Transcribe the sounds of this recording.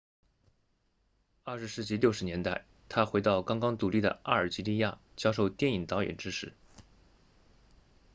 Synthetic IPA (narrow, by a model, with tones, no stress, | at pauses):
ɐ˥˩ʂɻ̩˧˥sɻ̩˥˩t͡ɕi˥ljo˥˩ʊʂɻ̩˧˥njɛ˧˥nt̪a˥˩ɪ | t̪ʰa˥xwe˧˥ɪt̪ɑ˥˩ʊkɑ˥ŋkɑ˥ŋt̪u˨˩li˥˩d̪ə̰˩ʔa˥˩ə˞˨˩t͡ɕi˧˥li˥˧ja̰˥˩t͡ɕjɑ˥ʂo˥˧ʊt̪jɛ˥˩ni˨˩ŋt̪ɑ˧˥ʊjɛ̰˨˩nʈ͡ʂɻ̩˥ʂɻ̩˥˩